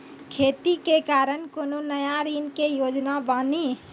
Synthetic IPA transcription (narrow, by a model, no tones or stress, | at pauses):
kʰeːt̪ikekaːɾənkoːnonəjaɾiːnkejoːd͡ʒnabaːni